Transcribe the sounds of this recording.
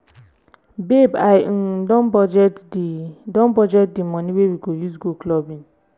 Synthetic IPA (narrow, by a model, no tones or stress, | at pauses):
bebaɪ̃dɔ̃nbɔd͡ʒɛtdidɔ̃nbɔd͡ʒɛt̚dimɔ̃niwewiɡojuzɡuklɔbĩn